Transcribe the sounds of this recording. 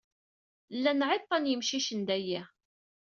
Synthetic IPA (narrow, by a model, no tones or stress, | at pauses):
lːænʕet̪ˤːɑnjəmʃiʃənd̪æjæ